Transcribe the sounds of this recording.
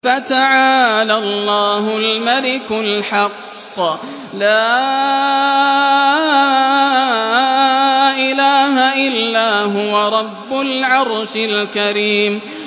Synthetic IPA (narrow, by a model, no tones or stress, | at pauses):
fat̪aʕaːlalˤːɑːɦʊlmalɪkʊlħɑqː | laː | ʔɪlaːɦaʔɪlːaːɦʊwaɾˤɑbːʊlʕɑɾˤʃɪlkaɾiːm